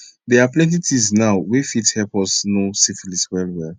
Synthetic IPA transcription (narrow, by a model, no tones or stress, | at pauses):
dɛaplɛ̃ntitʰiznawwefithɛlpɔsnosifliswɛlwɛl